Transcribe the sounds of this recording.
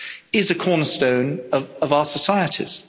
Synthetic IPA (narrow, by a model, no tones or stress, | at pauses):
ɪzəkʰɔːnəstə̃ʊ̃nəvəvaʊəsəsaɪətʰɪ̰z̥